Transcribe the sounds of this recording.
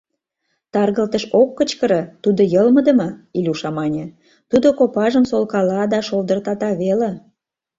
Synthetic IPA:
t̪ɑrɣəlt̪əʃokːət͡ɕkəɾə̆t̪ud̪ojəlməd̪ə̆mɤilʲuʃɑmɑnʲe | t̪ud̪okopɑʒəmsolkɑlɑd̪ɑʃold̪ərt̪ɑt̪ɑβele

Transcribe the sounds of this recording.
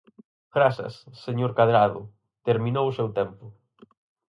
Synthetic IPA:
ɡɾasɐ̰sːeɲoɾkaðɾaðʊ̰ | t̪eɾmĩnowʊsewt̪ɛmpʊ

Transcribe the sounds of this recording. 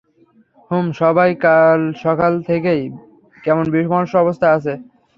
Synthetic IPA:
humʃɔbajkalʃɔkalt̪ʰekej | kɛmonbiʃmanoʃɔbost̪ʰaat͡ɕʰe

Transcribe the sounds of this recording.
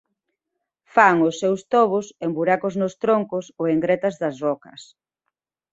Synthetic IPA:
faŋʊsːewst̪ɔβ̞ʊsembuɾakoznʊst̪ɾoŋkʊsoeŋɡɾɛt̪ɐzðɐzβɔkɐs

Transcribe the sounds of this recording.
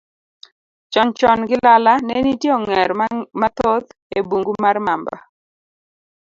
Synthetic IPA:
t͡ʃɔnt͡ʃɔnɡɪlalanɛnitjeɔŋɛɾmat̪od̪ebuŋɡumarmamba̰

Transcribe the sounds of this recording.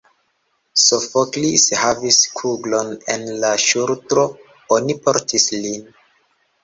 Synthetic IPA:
sofoklishaviskʰuɡlo̞nḛnlaʃuɾtɾo̞ | onipo̞ɾtʰislin

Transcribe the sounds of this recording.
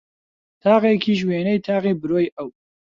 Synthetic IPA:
t̪ʰaːqekʰiːʒweːnɐjt̪ʰaːqiːbɨɾoːjʔɐw

